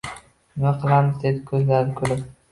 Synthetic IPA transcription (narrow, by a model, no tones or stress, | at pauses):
ɪmaqʰɨlˠamɪzd̪ed̪ɪkʲʰɵzlaɾɪkʲʰɵlɪp